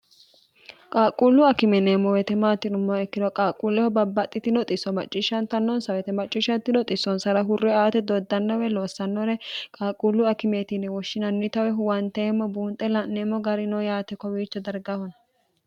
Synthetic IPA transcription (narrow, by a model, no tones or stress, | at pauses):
kʼaːkʼːulːʊɐkɪmɛneːmːɔwɛt̪ɛmaːt̪ːɪnʊmːɔɛkːɪd̪ɔkʼaːkʼulːɛhɔbɐbːɐt̪ʼːɪt̪ɪnɔt̪ʼɪsːɔmɐ̰t͡ʃʼːɪʃɐnt̪ɐnːɔnsɐwɛt̪ɛmɐt͡ʃʼːiʃɐnt̪ːɪnɔt̪ʼɪsːɔnsɐɾɐɦʊrːɛaːt̪ɛd̪ɔd̪ːɐnːɔwɛloːsːɐnːɔɾɛkʼaːkʼulːʊɐkɪmeːt̪inɛwɔʃːɪnɐnːɪt̪ɐwɛɦʊwɐnt̪eːmːɔbuːnt̪ʼːɛlɐnneːmːɔɡɐɾɪnɔjaːt̪ɛkɔwiːt͡ʃːɛd̪ɐɾɡɐhɔnɐ